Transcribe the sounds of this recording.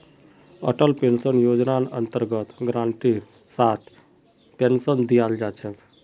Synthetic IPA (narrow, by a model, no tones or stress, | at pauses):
ə̰ʈəlpensənjod͡ʒnanə̰nt̪əɾɡət̪ɡɾãɳʈiːɾ | sat̪ | pensənd̪ijald͡ʒat͡ʃʰẽk